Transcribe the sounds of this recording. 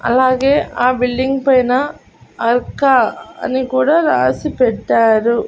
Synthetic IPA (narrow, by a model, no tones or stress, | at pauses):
ɐ̰laːɣeːʔaːbɪɭːiŋɡpɐjna | ɐɾkaːɐ̰nikuːɽaɾaːsipɛʈːaːɾu